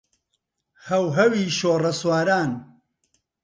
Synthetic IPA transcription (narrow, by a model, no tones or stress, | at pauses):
hɐwɦɐwiːʃoːrɐswaːɾaːn